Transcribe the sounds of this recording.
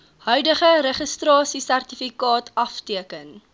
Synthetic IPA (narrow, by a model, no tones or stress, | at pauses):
hœɥdəχəɾəχəstrɑːsisærtifikɑːtɐftiəkən